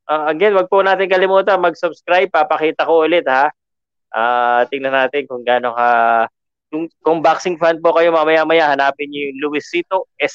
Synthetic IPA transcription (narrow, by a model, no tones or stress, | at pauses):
ʔoɐɡɛnwɐɡ̚pʊnaːt̪ɪnkɐlɪmuːt̪ɐmɐɡ̚sʊbskɾajb̚papɐkiːt̪ɐkoʔolɛt̪̚ha | ʔaːt̪ɪŋnɐnaːt̪ɪnkʊŋɡaːnoka | kʊŋkʊŋbaksɪŋfand̪̚pokɐjo̞mamɐjamɐjahɐnaːpɪɲjʊŋlʊwɪsiːt̪oʔɛs